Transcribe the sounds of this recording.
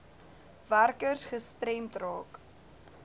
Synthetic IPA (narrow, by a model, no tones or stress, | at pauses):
værkərsχəstrɛmtrɑːk